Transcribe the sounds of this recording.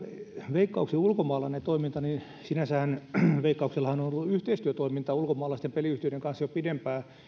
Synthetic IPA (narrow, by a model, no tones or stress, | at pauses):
ʋeikːɑuksiulkomɑːlɑinet̪oimint̪ɑni | sinæsæhænʋeikːɑukselːɑhɑnonolːuyht̪eist̪yøt̪oimint̪ɑulkomɑːlɑst̪empeliyht̪iødeŋkɑnsjopidempæː